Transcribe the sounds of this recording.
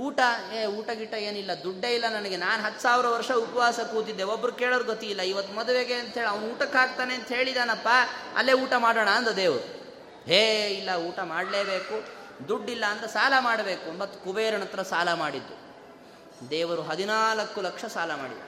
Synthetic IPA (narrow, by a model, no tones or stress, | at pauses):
uːʈɐeːuːʈɐɡiʈːɐeːnilːɐd̪uɖːeilːɐnɐnɐɡenaːnɦɐt̪ːu̥saːʋɾɐʋɐɾʂɐupɐʋaːsɐkuːt̪id̪ːeobːɐɾukeːɭɐɾuɡot̪iilːɐiʋɐt̪ːumɐd̪uʋeɡeɐnt̪ɦeːɭiɐʋɐnuːʈɐkːaːɡ̚t̪aːneɐnt̪ɐɦe̞ːɭid̪aːnɐpːaɐ̰lːeuːʈɐmaːɽoːɳɐːnd̪ɐd̪eːʋɐɾu | ɦeːilːɐuːʈɐmaːɽleːbeːku | d̪uɖːilːɐːnd̪ɐsaːlɐmaːɽɐbe̞ːkumbɐt̪ːu̥kubeːɾɐɳɐt̪ɐɾɐsaːlɐmaːɽid̪ːu | d̪ɛːʋɐɾuɦɐd̪inaːlɐkːulɐkʂɐsaːlɐma̰ːɽḭd̪ːu